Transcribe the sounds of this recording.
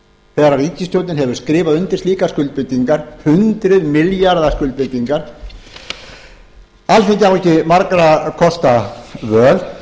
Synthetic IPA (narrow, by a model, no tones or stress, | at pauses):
θɛɣɾaɾiːcɪst̪jowt̪nɪnɦɛvʏɾ̥skɾɪːvaðʏnt̪ɪɾ̥sliːkaskʏlt̪̚pɪt̪iŋkaɾ̥hʏnt̪ɾʏðmɪljaɾðaskʏlt̪̚pɪt̪iŋkaɾ̥ | alθeɲcɪawɛcɪmaɾkɾakʰɔst̪avœːð